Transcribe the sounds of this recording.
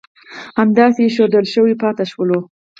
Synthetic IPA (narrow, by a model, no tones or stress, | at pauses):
hamd̪ɑseʃod̪əlʃəwipɑt̪aʃwəlo